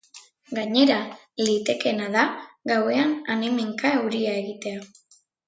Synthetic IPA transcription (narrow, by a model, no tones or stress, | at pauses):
ɡaɲe̞ɾa | lit̪e̞ke̞naðaɡawe̞ananemeŋkaewɾiae̞ɣit̪e̞a